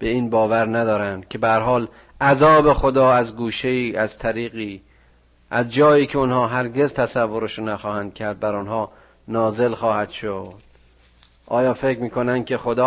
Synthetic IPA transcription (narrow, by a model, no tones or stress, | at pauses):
b̥e̞iːnbɒːvæɾnæd̪ɒːɾænd̪̥cʲʰe̞beæɾɦɒːl | ʔæzɒːbe̞xo̞d̪ɒːæzɡuːʃeiːæz̥t̪ʰæɾiːɣiː | ʔæzd͡ʒɒːjiːcʰeonhɒːɦæɾɡe̞zt̪ʰæsævːoɾeʃonæxɒːhænd̪̥̚kʲʰæɾd̪̚bæɾonɦɒː | nɒːze̞lxɒːhæd̪̥ʃod̪̥ | ʔɒːjɒːfe̞cɾmiːkʰo̞nænd̪̚cʲʰe̞xo̞d̪ɒː